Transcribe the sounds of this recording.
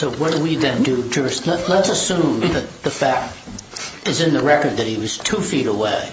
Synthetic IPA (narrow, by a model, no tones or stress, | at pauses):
soʊwʌt̚d̥əwiðɨ̃ndɨd͡ʒʌstˡlələtsəsũmðɨt̪̚ðɨfæk̚t | ɨzɨ̃nðəɹɛkə˞d̪̚ðɨt̚hiwʌz̥tʰufiɾəweɪ